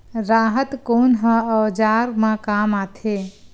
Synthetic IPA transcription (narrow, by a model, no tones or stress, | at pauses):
ɾaːɦət̪konɦə̃əʋd͡ʒaɾmãkamat̪ʰe